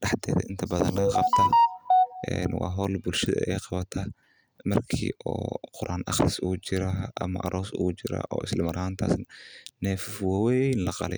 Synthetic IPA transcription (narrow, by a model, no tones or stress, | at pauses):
ɖɑħd̪ɛːðɐ̰ʔɪnt̪ʰɐbɐðɐnlɐɣɐqɑbt̪ʰaːʔɛnwɑ̰ːɦɔːlbʊlʃɐðɐ̰ʔɛjqɑβɐt̪ʰɐ | mɐrkʰḭːʔɔːqʊɾʔaːnʔɑ̰χrɪsuːt͡ʃɪɾaʔɐmɐʔɐɾʔɔːsuːt͡ʃɪɾɐ̰ʔɔ̰ːɪslɪmɐɾʔɐhaːnt̪ʰa̰ːsnɐnɛːffwɑwɛjnlɐqɑlɛj